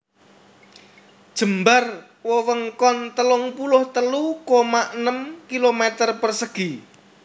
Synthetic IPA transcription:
d̥ʒ̥ə̤mbar | wɔwəŋkɔnt̪əlʊŋpulʊht̪əlukomaʔənəmkilomet̪ərpərsəɡ̥i

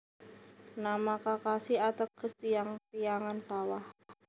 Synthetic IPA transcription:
namakakasiat̪əkːəst̪iaŋt̪ijaŋansawah

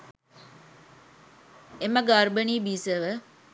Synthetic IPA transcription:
eməɡaɾbəniːbiːsəʋə

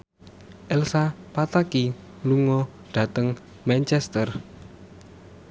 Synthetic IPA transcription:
ʔɛlsapat̪aki | luŋɔ | ɖ̥ä̤t̪əŋ | mant͡ʃɛst̪ər

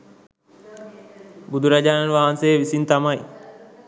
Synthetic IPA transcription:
bud̪uɾɐd͡ʒaːnɐnʋaːɦɐnseːʋisint̪ɐmɐj

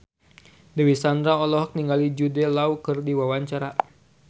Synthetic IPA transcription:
dəwisand̪ɾaɔlɔɦɔk̚niŋɡalid͡ʒudɛlaukɨrdiwawaɲt͡ʃaɾa

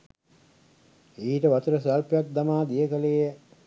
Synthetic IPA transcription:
iːʈəʋat̪uɾəsalpjak̪̚d̪amaːd̪ijəkəleːjə

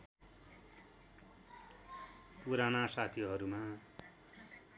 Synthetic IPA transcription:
puɾanasat̪ʰiɦʌɾuma

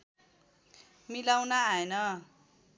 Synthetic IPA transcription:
milawnaaenʌ

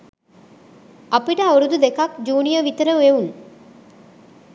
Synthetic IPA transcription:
ɐpiʈəoɾud̪ud̪ekakd͡ʒuːnijəʋit̪əɾəʋeun

